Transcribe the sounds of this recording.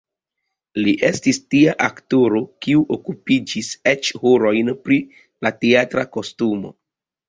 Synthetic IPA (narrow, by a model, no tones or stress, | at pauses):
liʔe̞stistiaʔaktoɾo̞kiuʔokupid͡ʒiset͡ʃhoɾo̞jnpɾi | lateatɾako̞stumo̞̰